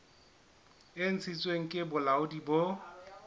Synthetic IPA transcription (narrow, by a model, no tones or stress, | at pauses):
ɪn̩t͡sʰit͡sʼweŋ̩kʼɪbʊlaʊdibo